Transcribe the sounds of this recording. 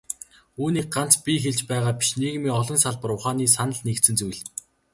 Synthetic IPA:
uːniːk̚ɢan̥t͡spʲiːxeɮt͡ɕpæːʁaːpʲi̥ʃneɣ̆miːɔɮɞ̆nsaɮpə̆ɾʊχaːniːsanə̆ɮnekt̪sɘ̆nt͡sujɮ

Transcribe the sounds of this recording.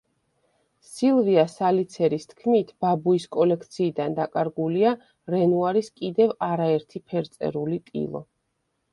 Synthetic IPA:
silˠviasalit̪sʰɛɾist̪ʰkʰmit̪ʰb̥abuiskʼɔlɛkʰt̪sʰiːd̪and̪akʼaɾɡulia | ɾɛnuaɾiskʼid̪ɛvaɾaɛɾt̪ʰipʰɛɾt̪sʼɛ̰ɾulit̪ʼḭlˠɔ̰

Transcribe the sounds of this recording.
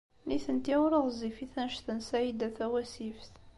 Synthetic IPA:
niθənt̪iʊɾəðzifiθænʃθənsæjid̪æθæwæsifθ

